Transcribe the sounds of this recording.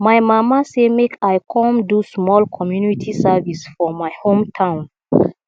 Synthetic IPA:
majmamasemekʰajkʰɔ̃mdusmɔlkʰɔmjunitʰisavisfɔmaɪhõmtʰãʊ̃n

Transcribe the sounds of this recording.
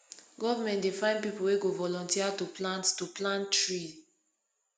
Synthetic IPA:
ɡɔvamɛ̃ntdefãɪ̃npipuweɡovɔlɔ̃ntiatuplãnttuplãntɹi

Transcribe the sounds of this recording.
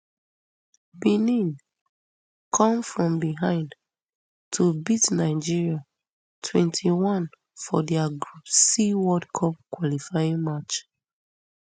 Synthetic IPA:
binĩn | kʰɔ̃mfɹɔ̃mbiɦãɪ̃nd | tʰubitnaɪd͡ʒiɹia | tʰwɛ̰̃ntʰiwɔ̃n | fɔdɛaɡɹupsiwɔdkʰɔp̚kwɔlifajĩŋmat͡ʃ

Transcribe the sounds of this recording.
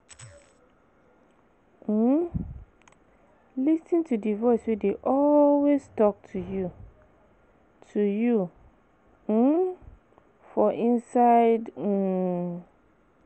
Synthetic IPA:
lisĩntʰudivɔɪswedeʔɔlwestɔk̚tʰuju | tʰuju | fɔʔĩnsaɪd̩

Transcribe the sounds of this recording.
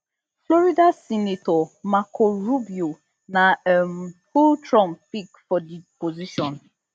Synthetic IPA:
flɔɾidasinitɔmakʰoɾubjo | namfultɾɔmpikfɔdipoziʃɔ̃n

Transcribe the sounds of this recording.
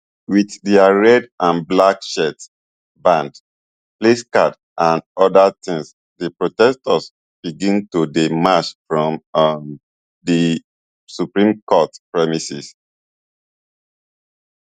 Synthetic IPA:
wiθdɛaɹɛdãnblakʃɛt | bãnd | pleskad | ʔãndɔdatĩŋs | dəpɹotɛstəs | b̥iɡĩntudemat͡ʃfɹɔ̃mm | di | supɹĩmkɔtpɹɛmisis

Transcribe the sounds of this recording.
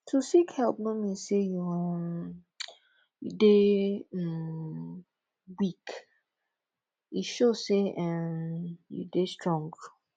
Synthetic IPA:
tʰusikhɛlp̚nomiseju | jude | m | wik | iʃoseʔãmjṵdestɹɔ̃ŋɡ

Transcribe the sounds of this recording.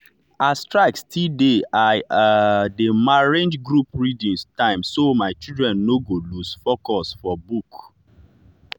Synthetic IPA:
astɹaɪkstʰideaɪademaɹẽnd͡ʒɡɹupɹidĩnstãɪ̃msomaɪt͡ʃidɹɛ̃nːoɡolusfokɔsfɔbuk

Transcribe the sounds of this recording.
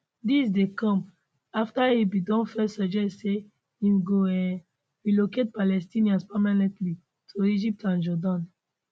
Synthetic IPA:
disdekɔ̃m | aftaibidɔ̃nfɛsad͡ʒɛse | ĩmɡoɛ̃n | ɹiloket̚palɛstĩniãnspɛmanɛ̃ntli | tʰuid͡ʒip̚tãnd͡ʒɔdãn

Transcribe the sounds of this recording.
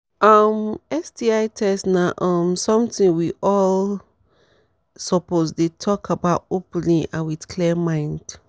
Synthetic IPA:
ʔɔmɛstiaɪtʰɛsnaʔɔ̃msɔ̃mtĩŋwiʔɔl | sɔposdetʰɔkabaʊtopnĩʔã̰nwitkʰlɛmãɪ̃nd̥

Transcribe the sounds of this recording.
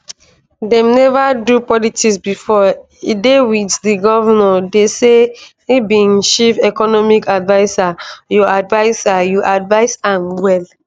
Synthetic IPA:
dɛ̃mnɛvadupɔlitisbifɔ | idewiddiɡɔvanɔdese | ibĩnʃivɛkɔnɔmikadvaɪsajɔadvaɪsajuʔadvaɪsãnwɛl

